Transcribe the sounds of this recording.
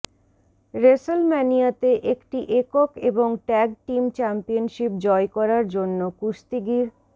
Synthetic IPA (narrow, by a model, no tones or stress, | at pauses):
ɾesolmɛnijat̪eʔekʈiʔekokeboŋʈɛɡ̚ʈimt͡ɕɛmpionʃip̚d͡ʑɔekɔɾaɾd͡ʑonːokuʃt̪iɡiɾ